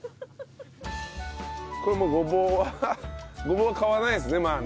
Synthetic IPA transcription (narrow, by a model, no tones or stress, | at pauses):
koimoɡobo | ɡobokawanajis̬ineman